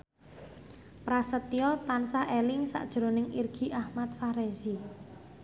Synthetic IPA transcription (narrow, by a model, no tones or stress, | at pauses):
pɾasət̪iɔt̪ansaʔelɪŋsa̰ʔd̥ʒ̥ɾonɪŋirɡ̥i̤ʔahmat̪̚faɾezi